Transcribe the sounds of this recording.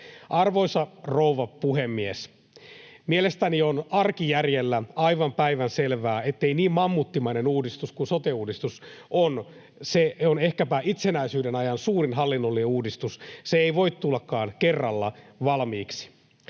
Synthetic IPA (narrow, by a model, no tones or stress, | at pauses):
ʔɑrʋo̞isɑrouʋɑpuhemːies | mielest̪ænionɑrkijærjelːæɑiʋɑmpæiʋænselʋæːet̪ːeiniːmmɑmːut̪ːimɑinenuːdist̪uskunsot̪euːdist̪uson | seonehkæpæʔit̪senæisyːdenɑjɑnsuːrinɦɑlːinːolːineuːdist̪usseeiʋo̞it̪t̪ulːɑkːɑːnkerːɑlːɑ̰ʋɑlmiːksi̥